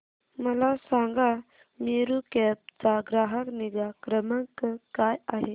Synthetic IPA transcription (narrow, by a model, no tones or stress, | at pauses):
məlasaŋɡa | miɾukɛp̚t͡saɡɾaɦəkniɡakɾəməŋkəkajaɦe